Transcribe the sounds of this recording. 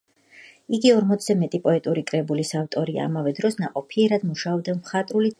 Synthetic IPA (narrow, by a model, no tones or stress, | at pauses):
iɡiɔɾmɔt̪sʰzɛmɛt̪ʼipʼɔɛt̪ʼuɾikʼɾɛbulisavt̪ʼɔɾia̰ːmavɛd̪ɾɔsnaqʼɔpʰiɛɾad̪muʃaɔb̚d̪amχat̪ʼɾuli